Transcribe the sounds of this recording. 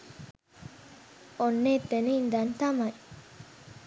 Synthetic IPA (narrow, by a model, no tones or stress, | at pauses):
onːeːt̪ːeneind̪ɐnt̪amɐj